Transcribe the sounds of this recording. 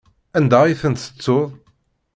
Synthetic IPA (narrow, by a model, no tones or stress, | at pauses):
ænd̪æjθənt̪ə̥t͡sːʊðˤ